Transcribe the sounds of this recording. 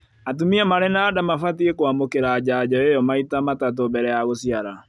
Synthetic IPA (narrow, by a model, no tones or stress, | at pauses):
atumiamaɾɛnaːdamafatiekoamokeɾaːd͡ʑad͡ʑɔejɔmaitamatatobɛɾɛjaɣosiaɾa